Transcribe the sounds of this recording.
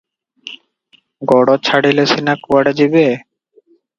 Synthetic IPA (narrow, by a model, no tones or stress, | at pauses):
ɡɔɽot͡ɕʰaɽilesinakuwaɽed͡ʑibe